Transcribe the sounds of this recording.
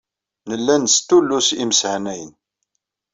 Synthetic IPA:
nəlːænst̪ːulːusiməsʕnæjən

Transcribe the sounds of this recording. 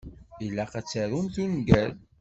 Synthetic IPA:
ilːæqæt͡sːəɾunθunɡæl

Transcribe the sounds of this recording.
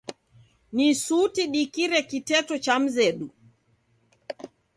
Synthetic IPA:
nisutiɗikiɾɛkitɛtɔt͡ʃam̩zɛɗu

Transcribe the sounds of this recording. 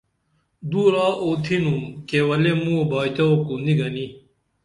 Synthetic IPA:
d̪uɾaːʔoːt̪ʰinũkewɐlemũobaːit̪ɐokund̪iɡɐni

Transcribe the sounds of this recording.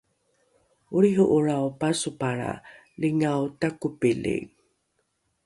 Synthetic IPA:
uɾiɦuʔuɾawpasupaɾa̰ | liŋawtakupilḭŋ

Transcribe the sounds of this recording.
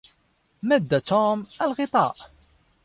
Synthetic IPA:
mæd̪ːat̪omalɣɪt̪ˤɑ̰ːʔ

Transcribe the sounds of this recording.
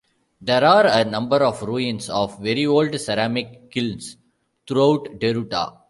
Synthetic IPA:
d̪ɛːɾaːɾənʌ̃mbəɾɔːʋɾuĩnsɔːʋʋɛɾioːlɖsɛɾæːmɪkkɪls | t̪ʰɾuaʊʈɖeɾuʈa̰

